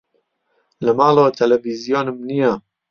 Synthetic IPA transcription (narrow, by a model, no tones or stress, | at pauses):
lemaːlot̪ʰelevizjonmnia